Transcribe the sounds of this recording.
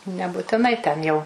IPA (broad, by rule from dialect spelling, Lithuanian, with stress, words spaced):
nʲɛbʊtʲɪˈnɐɪ tʲɛn jɛʊ